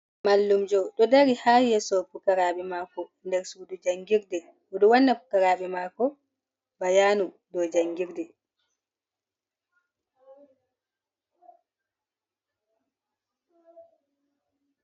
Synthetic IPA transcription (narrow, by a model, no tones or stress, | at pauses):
malːumd͡ʒɔɗɔdaɾihaːjɛsɔpukaɾaɓɛmakɔndɛɾsudud͡ʒaŋɡiɾdɛ | ɔɗɔwanːapukaɾaɓɛmakɔ | bajaːnu | dɔd͡ʒaŋɡiɾdɛ